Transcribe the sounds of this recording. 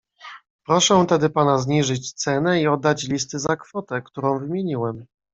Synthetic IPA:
pɾɔʂɛt̪ɛd̪ɘpanazɲiʐɘt͡ɕt̪sɛnɛiɔd̪ːat͡ɕlʲis̬t̪ɘzakfɔt̪ɛkt̪uɾɔ̃w̃vɘmʲjeɲiwɛm

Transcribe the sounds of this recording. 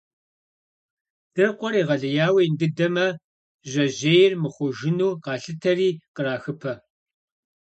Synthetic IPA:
d̥ɨrqʷɔɾiːʁɐɮɐjaːwijndɨdɐmɐ | ʑɐʑejɪrmɨχʷʊʒɪnuːqɑːɬɨtʰɐriːqəɾaːxɨpʰɐ

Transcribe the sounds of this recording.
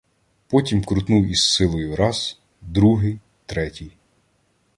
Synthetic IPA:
pɔtʲimkɾʊt̪nuwisːɪlˠɔjʊɾɑz | d̪ɾuɦɪj | t̪ɾɛtʲij

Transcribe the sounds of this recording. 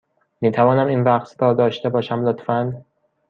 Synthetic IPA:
miːt̪ʰævɒːnæminvæqsb̪ɒːd̪ɒːʃt̪e̞bɒːʃæmlot̪fæn

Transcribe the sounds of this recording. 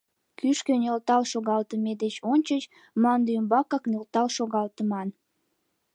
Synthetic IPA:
kyʃkønʲelt̪ɑlʃoɣɑlt̪əmed̪et͡ɕonʲt͡ɕət͡ɕ | mɑnd̪əmbɑkɑknelt̪ɑlʃoɣɑlt̪əmɑn

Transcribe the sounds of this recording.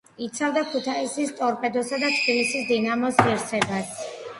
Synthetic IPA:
it̪sʰavd̪akʰut̪ʰaisist̪ʼɔɾpʼɛd̪ɔsad̪at̪ʰʼpilisisd̪inamɔsiɾt̪sʰɛbas

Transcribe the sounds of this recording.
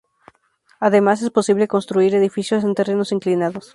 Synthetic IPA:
aðe̞mase̞spo̞siβ̞le̞ko̞nst̪ɾuiɾe̞ðifisjose̞nt̪e̞re̞no̞siŋklinaðos

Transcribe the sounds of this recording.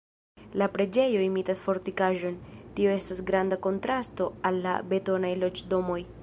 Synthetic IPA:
lapɾe̞d͡ʒe̞jo̞imitasfo̞ɾtikaʒo̞ntio̞e̞stasɡɾandako̞ntɾasto̞alːa̰be̞to̞najlo̞t͡ʃdo̞mo̞j

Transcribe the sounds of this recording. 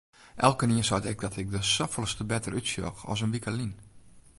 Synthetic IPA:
ʔɛlˠkəniəsatɪk̚dɔtʰɪk̚dəsɔfəlˠstəbɛtərytsjɔ̰xɔ̰s̬ənʋikəlin

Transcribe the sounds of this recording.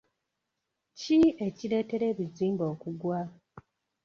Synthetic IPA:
cie̞ciɾe̞ːte̞ɾe̞ːβiziːmbo̞ːkuɡwa

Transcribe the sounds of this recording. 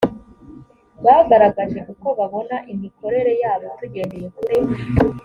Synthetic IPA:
βaɡaɾaɡaʒe̞kuko̞βaβo̞naʔimiko̞ɾe̞ɾe̞jaːβotuɟe̞nejekuɾe

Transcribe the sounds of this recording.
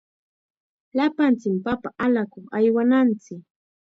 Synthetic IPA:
lapant͡sɪmpapaʔalakʊŋajwanant͡sɪk

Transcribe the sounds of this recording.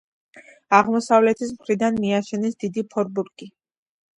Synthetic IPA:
aʁmɔsavlɛt̪ʰismχɾid̪anmiaʃɛnisd̪id̪ipʰɔɾbuɾkʼi

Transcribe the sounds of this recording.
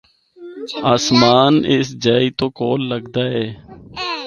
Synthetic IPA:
aːsmaːnɪsd͡ʒaːiːt̪oːkoːlːəɡd̪aːɦɛː

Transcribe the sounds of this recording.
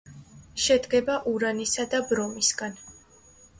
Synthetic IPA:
ʃɛd̪ɡɛbaʔuɾanisad̪abɾɔmisɡan

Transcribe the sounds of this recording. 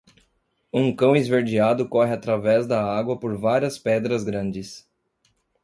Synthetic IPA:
ũkɐ̃w̃ezveɾd͡ʒiad̪ʊkɔɦɪat̪ɾavɛzd̪ɐaɡwɐpoɾvaɾiɐspɛd̪ɾɐzɡɾɐ̃nd͡ʒɪs

